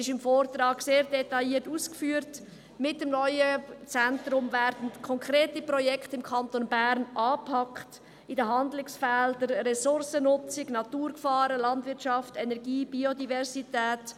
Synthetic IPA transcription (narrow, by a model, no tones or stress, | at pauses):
ɪʃɪmfoːɾtrɑːɡseːɾdɛtɑjiːətuːskfyːəɾt | mɪtəmnɔʏət͡sɛntɾʊmvɛɾdən̩kʰɔŋkɾeːtipɾɔjɛktɪmkʰɑntonbæɾnʔɑːpʰɑkχt | idəɦɑndlɪksfɛldəɾɾɛsʊɾsənʊt͡sɪɡnɑtuːɾkfɑːɾəlɑntʋɪɾtʃɑftɛnɛɾɡiːb̥iodivɛɾsitɛːt